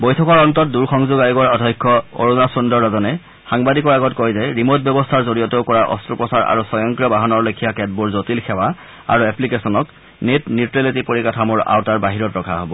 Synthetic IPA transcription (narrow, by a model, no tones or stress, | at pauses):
bojtʰɔkɔɹɔntɔt̚duɹxɔŋzuɡajɡɔɹadʱɔjkʰːɔo̰ɹunasundɔɹːazɔnɛ | xaŋbadikɔɹaɡɔtkɔjzɛɹimotbjɔbɔstʰaɹzoɹijɔtewkɔɹaʔɔ̰stɹupɔsaɹa̰ɹusɔjɔŋkɹijɔbaɦɔnɔɹlokʰijakɛt̚buɹzotilxʰɛwa | a̰ɹuɛplikesɔnɔk | netnitɹelitipoɹikatʰamɔɹa̰wtaɹbaɦiɹɔtɹɔkʰaɦobɔ